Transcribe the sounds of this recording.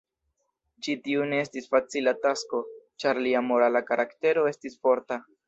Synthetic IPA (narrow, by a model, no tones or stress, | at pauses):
d͡ʒitiune̞estisfat͡silatasko̞t͡ʃaɾliamo̞ɾalakaɾʔakte̞ɾo̞e̞stisfo̞ɾta